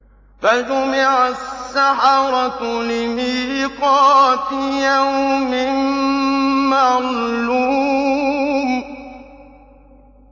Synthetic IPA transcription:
fad͡ʒʊmɪʕasːaħɑɾˤɑt̪lɪmiːqɑːt̪ɪjamɪm | maʕluː | m

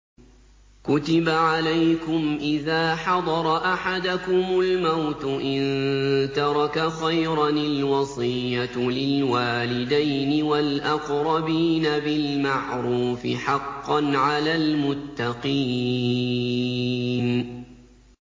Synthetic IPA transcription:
kʊt̪ɪbaʕalajkʊmʔɪðaːħɑd̪ˤɑɾˤɑʔaħad̪akʊmʊlmawt̪ʊʔɪnt̪ɑɾˤɑkaxajɾˤɑnɪlwɑsˤɨjːalɪlwaːlɪd̪ajnɪwalʔɑqɾˤɑbiːnabɪlmaʕɾuːfɪ̰ħɑqːɑnʕalaːlmʊt̪ːɑqiː | n

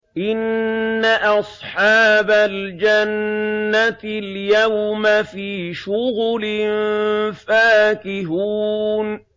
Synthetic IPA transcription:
ʔɪnːaʔɑsˤħɑːbald͡ʒanːat̪ljawmafiːʃʊɣlɪmfaːkɪɦuːn

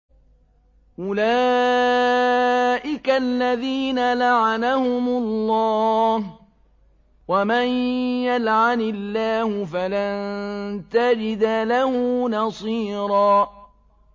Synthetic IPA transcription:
ʔʊlaː | ʔɪkalːaðiːnalaʕanahʊmʊlːɑːh | wamanjalʕanɪlːaːhʊfalannt̪ad͡ʒɪd̪alahʊnɑsˤiːɾˤɑː

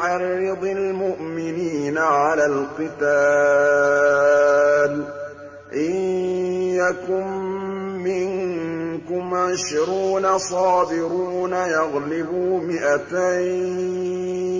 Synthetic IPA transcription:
ɑrːɨd̪ˤɪlmʊʔmɪniːnaʕalaːlqɨt̪aː | l | ʔɪnjakʊmː | ɪŋkʊmʕɪʃɾuːnasˤɑːbɪɾuːnajɑɣlɪbuːmɪʔat̪aj

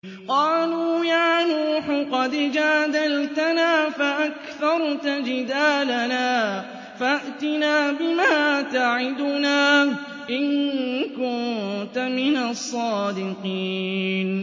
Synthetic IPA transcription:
qɑːluːjaːnuːħʊqɑd̪d͡ʒaːd̪alt̪anaːfaʔakθɑɾˤt̪ad͡ʒɪd̪aːlanaː | faʔt̪ɪnaːbɪmaːt̪aʕɪd̪ʊnaː | ʔɪnkʊnt̪amɪnasˤːɑːd̪ɪqiːn

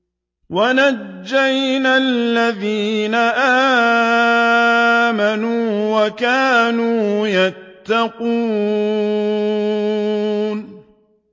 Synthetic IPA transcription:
wanad͡ʒːajnalːaðiːnaʔaː | manuːwakaːnuːjat̪ːɑquː | n

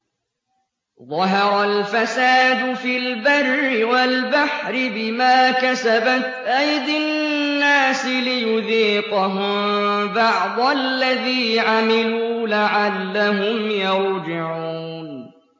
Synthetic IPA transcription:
ðˤɑɦɑɾˤalfasaːd̪ʊfilbarːɪwalbaħɾɪbɪmaːkasabat̪ʔajd̪ɪnːaːsɪlɪjʊðiːqɑɦʊmbɑʕd̪ˤlːaðiːʕamɪluːlaʕalːaɦʊmjɑɾˤd͡ʒɪʕuːn

